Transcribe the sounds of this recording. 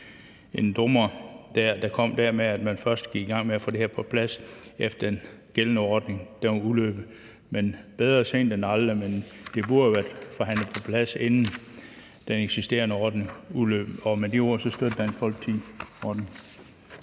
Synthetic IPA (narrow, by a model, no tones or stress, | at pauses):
e̝nd̥ɔmɐd̥æɐ̰d̥ɑ̈kʰɒ̽m̰d̥æɐmeæd̥mænfɶɐsd̥ɡ̥iɡ̥iɡ̥ɑ̈ŋ̰meæfo̰ːd̥e̝eɐpʰɒ̽pʰlæsefd̥ɐe̝nɡ̥elnəɒːd̥ne̝ŋd̥enulø̰ːb̥ə | menb̥eð̞ˠʁɐse̝̰nd̥enɑləmend̥e̝b̥uɐæd̥fɒ̽ɦæn̰ləpʰɒ̽pʰlæse̝nn̩ | d̥eneɡ̥sisd̥e̝̰ːɐnəɒːd̥nəŋulø̰ːb̥ɒ̽med̥io̝ɐ̰sɒ̽sd̥ød̥əd̥æenfɒ̽l̰ɡ̥̚t͡sʰiɒːd̥neŋ